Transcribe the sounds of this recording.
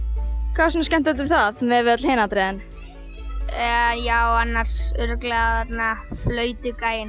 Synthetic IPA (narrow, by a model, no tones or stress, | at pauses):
kʰvaːsɔnascɛn̥t̪at̪ʏθaðmɛvɪat̪l̥heːnat̪ɾɛðɪn | jaːwanːaɾ̥sʏɾʏklɛɣaθat̪naflœːɥt̪ʏkaːjɪn